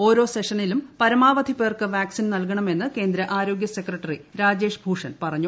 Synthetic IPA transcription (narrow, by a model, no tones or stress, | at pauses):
o̞ːɾo̞ːse̞ʂɐnilumpɐɾɐmaːʋɐd̪ʱipeːrkɨʋaːksinnɐlk̬ɐɳɐme̞nːɨke̞ːnd̪ɾɐʔaːɾo̞ːɡjɐse̞krɐʈːɐriɾaːd͡ʑe̞ːʂbʱuːʂɐnpɐrɐɲːu